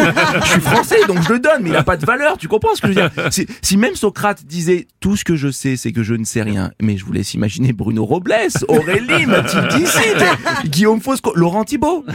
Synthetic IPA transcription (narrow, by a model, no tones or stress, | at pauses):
əʃɥifχɑ̃sɛd̪ɔ̃kʒələd̪ɔnmɛilapad̪əvalœʁt̪ykɔ̃pχɑ̃səkəʒvəd̪iʁsisimɛmsɔkχat̪d̪izɛt̪usə̥kəʒəsɛsɛkəʒənəsɛʁjɛ̰̃mɛʒəvulɛ̰sḭma̰ʒinebʁynoʁɔblɛsɔʁelimat̪ild̪isit̪ɡʲiomfoskolɔʁɑ̃t̪ibo